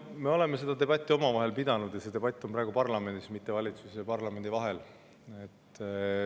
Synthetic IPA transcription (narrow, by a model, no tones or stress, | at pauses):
me̞o̞le̞me̞se̞d̪̥ɑt̪e̞b̥ɑt̪ʲːˑio̞mɑvɑɦe̞lpid̪̥ɑnud̪̥jɑse̞d̪e̞b̥ɑt̪ʲˑːo̞mpɾɑːɡ̥upɑrlɑme̞nd̪̥ismit̪ːe̞vɑlʲit̪susɑpɑrlɑme̞nʲd̪ivɑɦe̞l | et̪ː